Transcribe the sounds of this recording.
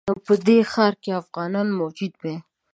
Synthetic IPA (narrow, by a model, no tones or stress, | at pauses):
apəd̪exɑɾkeafɣɑnɑnmod͡ʒud̪̚be